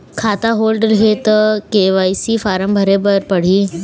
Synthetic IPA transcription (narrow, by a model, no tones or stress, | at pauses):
kʰat̪aɦolɖɾɦet̪keʋajsiːfaɾəmbʱəɾebəɾpəɽ̤iː